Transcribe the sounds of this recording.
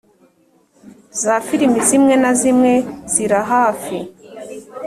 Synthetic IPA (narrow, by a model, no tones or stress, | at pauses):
zafiɾimbizimŋenazimŋez̥iɾaɦaːfi